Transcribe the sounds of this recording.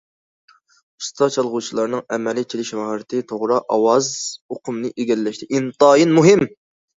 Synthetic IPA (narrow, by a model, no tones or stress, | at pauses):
u̥st̪ʰɑt͡ʃʰɑlˠʁut͡ʃʰilˠɑɾnɨŋɛmɛlɪt͡ʃʰelɪʃmɑhɾɨt̪ʰɪt̪ʰoʁɾɑʔɑwɑzoqʰʊmnɨʔeɡʲɛlːɛʃt̪ʰɪʔint̪ɑːjinmuɦɪm